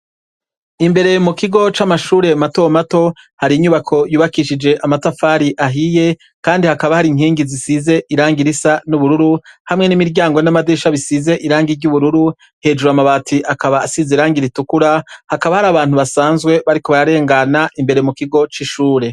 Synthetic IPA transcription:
imbe̞ɾe̞mukiɡo̞t͡ʃamaʃuːɾe̞mato̞mato̞ | haɾiːɲuβakʰo̞juːβakiʃid͡ʒe̞ʔamatafaːɾiʔaɦije̞ | kaːndihakaβahaɾiŋ̥hiːŋɡizisize̞ʔiɾaːŋɡiɾisanuβuɾuɾuhamŋe̞nimiɾɟaːŋɡo̞namadeːʃaβisize̞ʔiɾaːŋɡiɾɟuβuɾuɾu | he̞ːd͡ʒuɾuamaβaːtʰiʔakaβaːsizeɾaːŋɡiɾitukuɾahakaβahaɾaːβaːn̥huβasaːnzɡwe̞βaɾiko̞βaɾaɾe̞ːŋɡanaʔimbe̞ɾemukiɡo̞t͡ʃiʃuːɾe̞

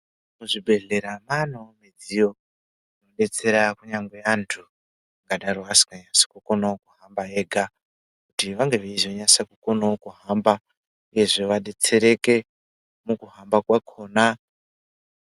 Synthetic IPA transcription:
muʐibʱe̞ɮe̞ɾamanomed͡zijo̞ | ino̞ɗe̞t͡se̞ɾakuɲaŋɡweantʰu | ŋɡaɗaroasi̥kaɲasḁkukonaokuɦambae̞ːɡʱa | kutiʋaŋɡe̞ʋeizoɲasakuko̞naokuɦamba | uje̞ʐeʋaɗe̞t͡se̞ɾe̞ke | mukuɦambakwakʰo̞ːna

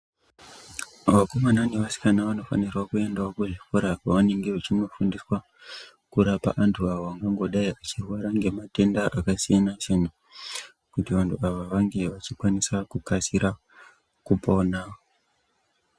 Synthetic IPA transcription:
ʋakomananiʋasi̥kanaʋano̞fa̰nirwakue̞ndaokuʐifuɾakaane̞ŋɡeʋot͡ʃino̞fundiswa | kuɾapa̰ʔantʰuaʋoʋaŋɡaŋɡo̞ɗaiat͡ʃirwaɾaŋɡe̞mate̞ndaʔakasijanat͡ʃena | kutiʋantʰuaʋaʋaŋɡe̞ʋat͡ʃikwanisakukasiɾa | kupo̞na

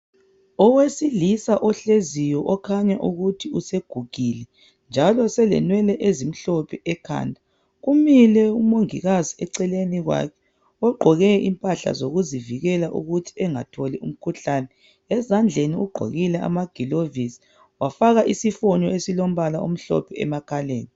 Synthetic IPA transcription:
ɔwesilisaʔɔɬezijɔʔɔkʰaɲaʔuɣutʰiuseɡ̥ʱuɡ̥ʱilɛ | nd͡ʒʱalɔsɛlɛ̰nwɛlɛʔezim̩ɬopʰiʔɛkʰa̰ːndʱa | ɣumilɛumoŋiɣaziɛǀɛleniɣwa̰kʰɛ̥ | ɔɡ͡ǃʱɔɣɛʔimpʼaɬa̰zoɣuziviɣɛlaʔṵɣutʰi̥ɛŋa̰tʰɔliṵm̩kʰuɬanɛ | ɛzand͡ɮʱeniuɡ͡ǃʱo̰ɣilɛʔa̰maɡ̥ʱilovisi̥ | wafaɣaʔisifɔɲɔesilom̩βalaum̩ɬɔ̰pʰɛɛ̰makʰaleːni

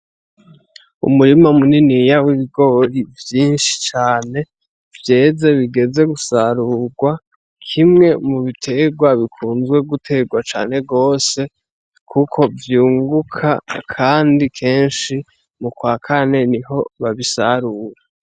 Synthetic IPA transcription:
ṵmuɾimamuninijawiβiɡo̞ːɾivjiːnʃi̥t͡ʃaːne̞ | vje̞ːze̞βiɡe̞ze̞ɡusaɾuɡwa | kʰimŋe̞muβitʰe̞ɡwaβikʰuːnzɡwe̞ɡutʰe̞ɡwat͡ʃa̰ːne̞ɡo̞ːse̞ | kʰukʰo̞vjuːŋɡukʰa̰kʰaːndikʰe̞ːnʃi | mukwaːkʰane̞niɦo̞βaβisaɾuɾa

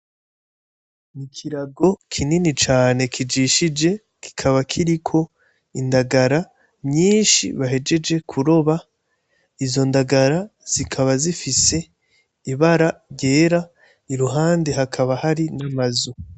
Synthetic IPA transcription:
nikʰiɾaɡo̞kʰininit͡ʃaːne̞kʰid͡ʒiʃid͡ʒe̞ | ki̥kʰaβakʰiɾikʰo̞ | indaɡaɾa | mɲiːnʃḭβaɦe̞d͡ʒe̞d͡ʒe̞kʰuɾo̞βa | izo̞ndaɡaɾaz̥ikʰaβazifise̞ | iβaɾaɾɟe̞ːɾa | iɾuɦaːndehakʰaβahaɾinamazu

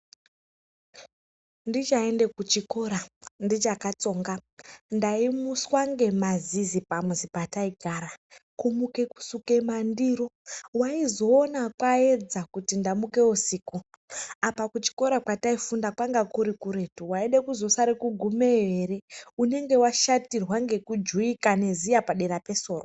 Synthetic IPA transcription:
ndit͡ʃae̞nde̞kut͡ʃiko̞ɾandit͡ʃakat͡so̞ŋɡandaimuswaŋɡe̞mazizipamwuzipataiɡʱaɾakumuke̞ku̥suke̞mandiɾo̞waizo̞ːnakwaed͡zakutindamuke̞usiku | apakut͡ʃi̥ko̞ɾakwataifundakwaŋɡakuɾikuɾe̞tuwaiɗekuzo̞saɾekuɡʱumejere̞une̞ŋɡe̞waʃatirwaŋɡe̞kud͡ʒuikane̞zijapaɗeɾape̞so̞ːro

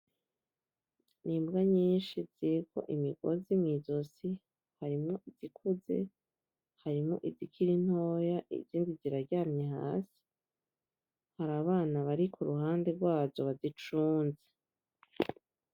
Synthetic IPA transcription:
niːmbɡaɲiːnʃiz̥iɾikʰo̞ʔimiɡo̰zimŋiːzosi | haɾimŋoʔizikʰuze̞̰ | haɾimoʔizikʰiɾin̥ho̞ːjaʔḭziːndiziɾaɾɟaːmɲeɦa̰ːsi̥ | haɾaβaːnaβaɾikʰuɾuhaːnde̞ɾɡwaːzo̞βazit͡ʃuːnze

